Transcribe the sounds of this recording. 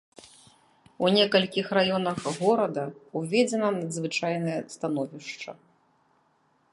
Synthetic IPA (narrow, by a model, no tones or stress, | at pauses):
unʲɛkɐlʲkʲixrajɔnɐxɣɔɾɐd̪ɐuvʲɛd͡zʲɛnɐnɐd̪zvɨt͡ʂajnɐjɛst̪anɔvʲiʂt͡ʂɐ̰